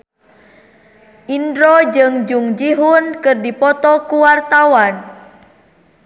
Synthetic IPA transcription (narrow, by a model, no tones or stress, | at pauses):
ʔindɾɔd͡ʒɨŋd͡ʒuŋd͡ʒiɦʊnkɨrdipɔt̪ɔkuwart̪awan